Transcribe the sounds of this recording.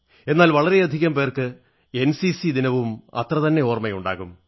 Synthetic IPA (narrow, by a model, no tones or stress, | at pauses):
e̞nːaːlʋɐɭɐɾe̞ɐd̪ʱiɣɐmpe̞ːrkɨ | e̞nsisid̪inɐʋumɐ̰t̪rɐt̪ɐnːe̞oːrmɐjuɳɖa̰ːɣum